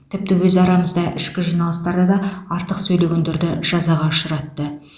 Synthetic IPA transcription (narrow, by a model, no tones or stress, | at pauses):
t̪ʰɪp̚t̪ɪwɵzɑɾɑməzd̪ɑʔɪ̰ʃkʲɪʒunɑlˠəst̪ɑɾd̪ɑd̪ɑɑɾt̪əqsɵjle̞ɡʲe̞nd̪eɾd̪ɪʒ̥ɑzɑʁɑʊʃəɾɑt̪ːə